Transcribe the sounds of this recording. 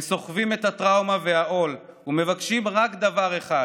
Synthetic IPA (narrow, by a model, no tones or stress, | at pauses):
so̞χvime̞t̪hat̪ʁawmave̞aʔo̞l | ume̞vakʃimʁakd̪avaʁe̞χa